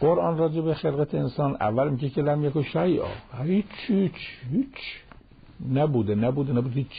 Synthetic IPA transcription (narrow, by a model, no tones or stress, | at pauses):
ɡoɾʔɒːnrɒːd͡ʒebexelɣæt̪ʰeensɒːnʔæ̰vːælmiɟecʰelæmjækoʃæjʔɒ̰ːit͡ʃʰhit͡ʃhit͡ʃ | næbuːd̪enæbuːd̪enæbuːd̪eit͡ʃː